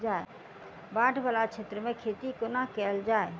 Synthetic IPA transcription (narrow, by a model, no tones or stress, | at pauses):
d͡ʒae | bãʈʰbalat͡ʃʰet̪ɾəmẽkʰet̪ikonakɛld͡ʒae